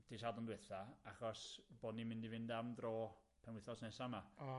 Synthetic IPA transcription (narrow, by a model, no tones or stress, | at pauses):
d̥isadʊndwɪθaaχɔsb̥oːdnimɪ̃ndivɪndamdroː | pʰɛnwɪθɔsnɛsamaɔ